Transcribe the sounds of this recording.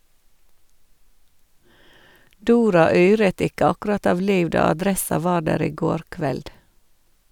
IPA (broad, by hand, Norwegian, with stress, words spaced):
ˈduːɾɑ ˈyːɹət ˈɪkə ˈɑkʉɾɑt ˈɑʋ ˈliːʋ ˈdɑː ɑˈdɾɛsɑ ˈʋɑː ˈɖæːɾ ˈiː ˈɡoːɾ ˈkʋɛld